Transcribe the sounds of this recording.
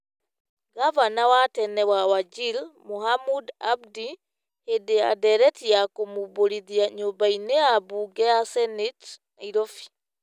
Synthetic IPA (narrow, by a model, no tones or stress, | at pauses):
ɡavanawatɛnɛwawad͡ʒilmuhamudabdi | hedea̰dɛɾɛtijakomuboɾiðiaɲubaineabuɡɛasɛnitnaiɾɔfi̥